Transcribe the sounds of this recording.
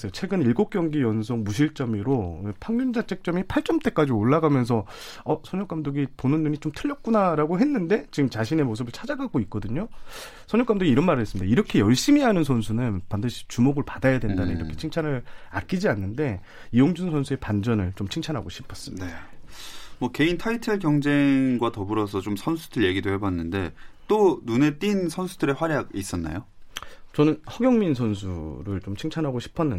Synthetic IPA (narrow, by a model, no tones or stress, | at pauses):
s͈ejot͡ɕʰwe̞ɡɯniɭɡok̚k͈jʌŋɡijʌnsʰoŋmuɕ̬ʰiɭt͡ɕ͈ʌmiɾoepʰaŋɲund͡ʑat͡ɕʰek̚t͡ɕ͈ʌmipʰaɭt͡ɕ͈ʌmt͈e̞k͈ad͡ʑioɭːaɡamjʌns̬ʰʌ | ʌsʰʌɲʌk͈amdoɡiponɯnːuɲit͡ɕomtʰɯʎːʌk̚k͈unaɾaɡoɦe̞nːɯnde̞t͡ɕiɡɯmt͡ɕaɕʰine̞mos̬ʰɯbɯɭt͡ɕʰad͡ʑaɡaɡoik̚k͈ʌdɯɲo | sʰʌɲʌk͈amndoɡiɾʌnmaɾɯɭɦes͈ɯmidaiɾʌkʰe̞jʌɭɕ͈imiɦanɯnsʰʌnsʰunɯnpandɯɕʰi̥t͡ɕumoɡɯɭpadajadwe̞ndanɯniɾʌkʰe̞̥t͡ɕʰiŋt͡ɕʰanɯɾa̰k͈id͡ʑianːɯnde̞ | ijoŋd͡ʑunsʰʌnsʰue̞pand͡ʑʌnɯɭt͡ɕomt͡ɕʰiŋt͡ɕʰanɦaɡoɕʰipʰʌs͈ɯmidda | mwʌke̞intʰaitʰɯɭkjʌŋd͡ʑe̞ŋŋɡwatʌbuɾʌsʰʌt͡ɕomsʰʌnsʰudɯɭje̞ɡidohebanːɯnde̞t͈onune̞t͈insʰʌnsʰudɯɾe̞waɾjaɡis͈ʌnːa̰jot͡ɕʌnɯnhʌɡjʌŋminsʰʌnsʰuɾɯɭt͡ɕomt͡ɕʰiŋt͡ɕʰanɦaɡoɕʰi̥pʰʌnːɯn